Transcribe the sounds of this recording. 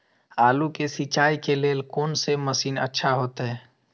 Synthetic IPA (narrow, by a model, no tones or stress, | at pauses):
aːlukesit͡ʃaːikeleːlkoːnseməsiːnə̰tːʃʰaɦoːt̪ɦɛː